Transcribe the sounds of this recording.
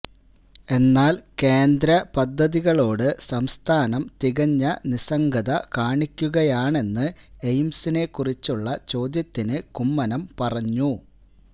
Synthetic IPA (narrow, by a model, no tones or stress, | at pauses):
e̞nːaːlke̞ːnd̪ɾɐpɐd̪ʱːɐðiɣɐɭo̞ːɽɨsɐmst̪ʰaːnɐmt̪iɣɐɲːɐnisɐŋɡɐðɐkaːɳikʲːuɣɐjaːɳe̞nːɨejmsine̞kːurit͡ɕːuɭːɐt͡ɕo̞ːd̪jɐt̪ːinɨkumːɐnɐmpɐrɐɲːu